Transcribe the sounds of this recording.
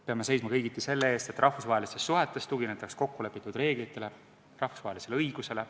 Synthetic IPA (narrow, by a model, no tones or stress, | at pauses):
peɑmese̞jsmɑkɤjɡit̪ˑːise̞lːeeːst̪e̞t̪ːˑrʔɑhvusvɑɦelist̪est̪ːuɦet̪ˑːe̞st̪uɡinet̪ːˑɑksko̞kːule̞pːˑit̪ːˑud̪̥re̞ːɡ̥lit̪ːˑe̞le̞ | rɑhfu̥svɑɦe̞lise̞leɤjɡ̥use̞le̞